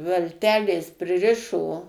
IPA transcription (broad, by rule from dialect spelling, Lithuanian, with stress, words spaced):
ʋɐlʲˈtʲæːlʲeːs pʲrʲɪˈrʲɪʃoː